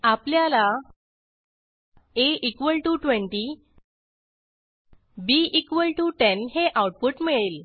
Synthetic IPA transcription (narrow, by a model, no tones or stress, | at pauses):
apljala | eikʋəlʈuʈʋẽɳʈi | biikʋəlʈuʈenɦeʔawʈ̚puʈmiɭel